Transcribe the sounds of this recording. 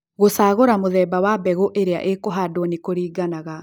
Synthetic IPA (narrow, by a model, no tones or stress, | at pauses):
ɣosaːɣoɾamoðɛːbawabɛɣoʔeɾea̰ʔekoɦadonikoɾiːɡanaɣa